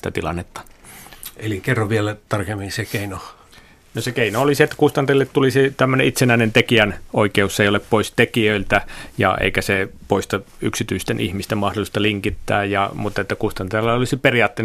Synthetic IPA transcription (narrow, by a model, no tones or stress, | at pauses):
t̪æ̰t̪ilɑ̰nːet̪ːɑ̥ | elikerːɑʋʋielæt̪ɑrkemːinsekeino | nosekeinoolisiet̪ːæ̥kust̪ɑnt̪elːet̪t̪ulisit̪æmːøneit̪senæˑinent̪ekiænoikeusːeioleppoist̪ekiøilt̪æjɑ̰ḛikæsepoist̪ɑ | yksit̪yist̪enihmist̪emɑhdolist̪ɑliŋkit̪ːæ̰ːjɑmut̪ːɑet̪ːækust̪ɑnt̪elːɑolisiperiɑːt̪ːei